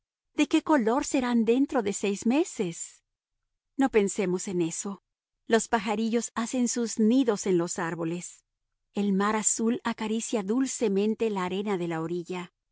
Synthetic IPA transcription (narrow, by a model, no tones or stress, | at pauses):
d̪̥e̞ke̞ko̞lo̞ɾse̞ɾand̪e̞nt̪ɾo̞ðe̞se̞jzme̞se̞s | no̞pe̞nse̞mo̞se̞ne̞so̞ | lo̞spaxaɾiʝo̞sase̞nsuzniðo̞se̞nlo̞saɾβo̞le̞s | e̞lmaɾasulakaɾisjaðulse̞mẽ̞nt̪e̞laːɾe̞naðe̞laoɾiʝa